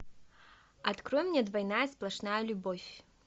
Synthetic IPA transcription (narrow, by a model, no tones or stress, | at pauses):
at̪kɾɔjmnʲɛd̪vajnajɐsplˠaʂnajɐlʲubɔvʲ